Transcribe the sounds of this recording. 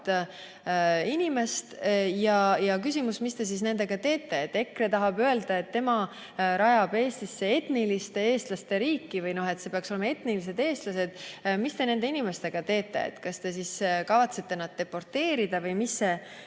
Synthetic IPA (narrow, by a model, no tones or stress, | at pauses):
t̪ | inime̞st̪jɑjɑkys̬ʲimusmist̪e̞s̬is̬ne̞nd̪̥e̞ɡ̥ɑt̪e̞ːt̪ːˑe̞ːt̪ːe̞kret̪ɑɦɑbøeld̪̥ɑe̞t̪ːe̞mɑ | ɾɑjɑb̥e̞ːst̪isːe̞e̞t̪nilist̪e̞e̞ːst̪lɑst̪e̞ɾiːkːˑivɯjno̞ɦe̞t̪se̞peɑkso̞le̞mɑe̞t̪nilis̬e̞d̪e̞ːst̪lɑse̞d̪̥mist̪e̞ne̞nd̪e̞inime̞st̪e̞ɡ̥ɑt̪e̞ːt̪ːˑe̞̰ḛt̪ːkɑst̪e̞siskɑvɑt̪se̞t̪ːe̞nɑd̪̚d̪̥e̞pːo̞rt̪e̞ːɾid̪̥ɑvɯjmisːe